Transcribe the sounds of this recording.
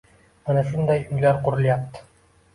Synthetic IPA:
manæʃund̪ɑjɵjlæɾquɾɤ̆lˠjɑpt̪

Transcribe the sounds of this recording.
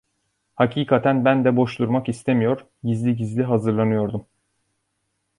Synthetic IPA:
hacʰiːkʰat̪ʰænbænd̪ɛbo̞ʃd̪ˠuɾmakist̪ʰemijo̞ɾ | ɟizlʲiɟizlʲiɦazɯɾlˠanɯjo̞ɾd̪um

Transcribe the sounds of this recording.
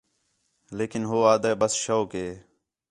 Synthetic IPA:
leːkɪnɦoːaːd̪əːbəsʃoːkɦeː

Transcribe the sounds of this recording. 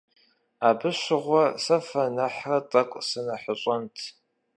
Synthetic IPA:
aːbɨɕɪʁʷɔsɐfɐnɐħrɐtʼɐkʷʼsɨnɐħəɕʼɐntʰ

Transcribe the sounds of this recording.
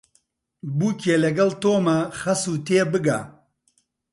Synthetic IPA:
buːkelɐɡɐlt̪oːmɐχɐsuːt̪eːbɨɡa̰

